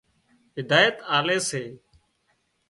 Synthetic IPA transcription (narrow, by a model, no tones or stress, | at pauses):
ɦɪd̪aːjət̪aːleːseː